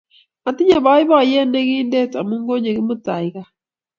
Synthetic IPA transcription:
a˨ti˦ɲe˦˨βa˦ɪ˦βɔ˦˨je˦nde˦ɣi˦nde˦˨ta˨mu˦ŋɡo˦ɲe˨ɣɪ˦mo˦ta˨ɪ˨ɣa˦

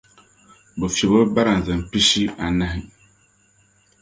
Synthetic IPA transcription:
bo˨fɛ˨bo˦ba˦ɾa˨n˨zɨ˨m˨pi˦si˦a˨na˦ɦi˨

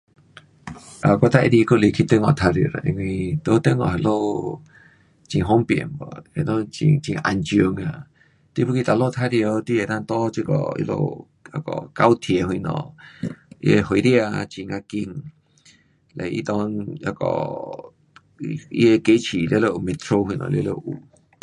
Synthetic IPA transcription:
ʔa˨kʷa˧t̪a˦ʔi˧ɾi˧ku˦˧˨li˧kʰi˧t̪e˦ŋɔ̃˧˨t̪ʰa˧ɾjḭ˨ɾa̰˨˧ʔḭ˧ŋʷ˧ĩ˧t̪o˧˦t̪e˦ŋɔ̃˧˨ɦe˧lo˦˧ | t͡ʃi˧ɦo˦mpjḛ˨mbɔ̰˧e˧˨nõ˦t͡ʃḭ˧t͡ʃi˧ʔa˧nt͡ʃo˧ŋa˧ | t̪i˧˦pu˦ki˧t̪a˧lo˦˧t̪ʰa˧ɾjo˧t̪i˦e˨nã˧nt̪o˦t͡ʃi˧kɔ̰˧˨ḭ˧lo̰˧ | a˧kɔ̰˨ka˧wt̪ʰje˨hwĩ˧nɔ̰̃˨ | ḭ˦˧e˧ho˧jɾja˧t͡ʃi˧ŋa˧ki˧ŋ | le˨ḭ˦t̪ɔ̃˧na˧kɔ̰˧˨ | ḭ˧˦e˧ke˦t͡ʃi˨le˧˦lo˧ʔme˧t̪ɾo˧hi˧nɔ̰̃˧˨le˧˦lo˧ʔu˨

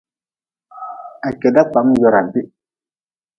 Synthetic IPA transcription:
a˨kɛ˨da˦k͡pa˨˦m˦d͡ʒɔ˨ɾa˨bi˦

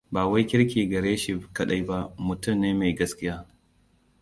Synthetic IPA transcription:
baː˨wa˦jkʲɪ˦ɾkʲiː˨ɡɐ˨ɾeː˦ʃi˨kɐ˦ɗa˦jba˦mʊ˨tʊ˦mneː˦ma˨jɡɐ˦skʲɪ˦jaː˦

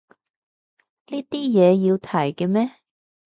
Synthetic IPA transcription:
liː˥t̪iː˥jɛː˨˧ji˧wt̪ʰɐ˨˩jkɛ˧mɛː˥

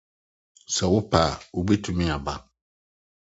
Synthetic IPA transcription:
sɛ˨wʊ˦pʰa˨wʊ˦be˦tʰũ˨˦mɪ̃˦a˨ba˦

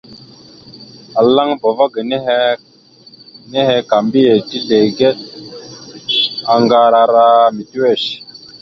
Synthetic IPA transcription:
a˨la˦ŋbo˨va˦ɡə˨n˦ | ne˦he˦ka˨mbi˦je˨ti˦ɮe˨ɡe˦ɗ̚ | a˨ŋɡa˦ɾa˨ɾa˦mi˨ti˦we˦˨ʃ

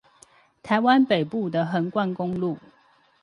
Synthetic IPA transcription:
t̪ʰa˨˦ɪwa˦npe˨˩ɪpu˥˨d̪ə˨ɦə˨˦nkwa˥˨nkʊ˦ŋlu˥˨

